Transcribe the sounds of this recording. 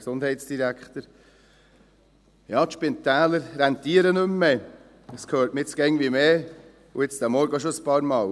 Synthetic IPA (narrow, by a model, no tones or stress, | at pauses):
ksond̥̪hɛɪtsd̥iɾækχt̪əɾ | jɑːt̪ʃpɪnt̪æːləɾɾɛnt̪iəɾənɵmːɛ | əskʰhøːɾtmiɪt͡sɡ̥ɛŋʋimeː | uɪt͡sd̥æmɔɾɡəoʃoəspɑːɾmɑːl